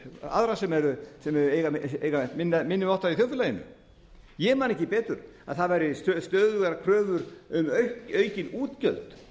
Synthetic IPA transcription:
a̰ðɾasɛmɛɾʏsɛmɛɾʏejɣaḛːjɣamɛnt̪mɪnːamɪnːɪmɔht̪aviθjœfʏlajɪnʏ̰ | jɛmanɛhcɪpɛːt̪ʏɾ | a̰ðθaðvajɾɪst̪œst̪œːðʏɛɾakʰɾœːvʏɾʏmœɥhcœːɥcɪnuːt̪cœlt̪

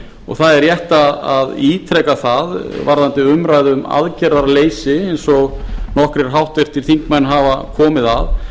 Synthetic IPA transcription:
ɔ̰ɣθaðɛɾjɛht̪aðaðiːt̪ʰɾɛkaθaðvaɾðant̪ɪʏmɾaːjðʏma̰ðcɛɾaɾleːjsɪɛjnsɔɣnɔhkɾɛɾ̥ɦawht̪vejr̥t̪ɪɾ̥θiŋ̥kmajnɦaːvakʰɔːmɪðað

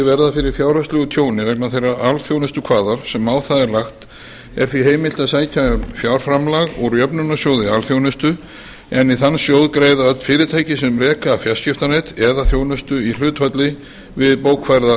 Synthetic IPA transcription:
ɪvɛɾðafɪɾɪɾ̥fjaːwɾast̪lʏɣʏt̪ʰjoːwnɪvɛknaθejrːaalθjownʏst̪ʏkʰvaːðaɾ̥sɛmːaːwθaðɛɾlaxt̪ | ɛ̰ɾ̥θviɦeːjmɪl̥t̪aðsaːjcʰaʏmfjawɾ̥fɾamlaɣɔɣɾjœpnʏnasjowðɪalθjownʏst̪ʏ | ɛniθanːsjowðkɾeːjðaœt̪fɪːɾɪt̪ʰaːjcɪsɛmrɛːkafjascɪft̪anejt̪ɛðaθjownʏst̪ʏil̥ʏːt̪fœt̪lɪ | vɪðpoːwkfajɾða

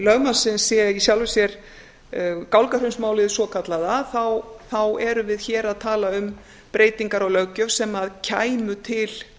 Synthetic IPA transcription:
lœɣmansɪnsːjɛisjawlvɪsjɛɾ̥ | kawlkaɾ̥ʏnsmaːwlɪðsɔkʰat̪laðaθawθawɛɾʏvɪðçɛːɾaðt̪ʰaːlaʏm | pɾeːjt̪iŋkaɾaɣlœɣcœ̥sɛmaðcʰaːjmʏt̪ʰɪl

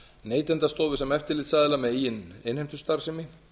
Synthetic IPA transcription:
neːjt̪ɛnt̪ast̪ɔːvʏsɛmɛft̪ɪɾlɪːt̪saːðɪlamɛðijɪnɪnhejmt̪ʏst̪aɾ̥sɪmɪ

